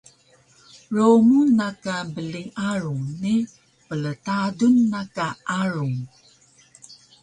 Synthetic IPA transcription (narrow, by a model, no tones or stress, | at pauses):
ɾomunːakabəliŋaɾuŋni | pələtadunːakaʔaɾuŋ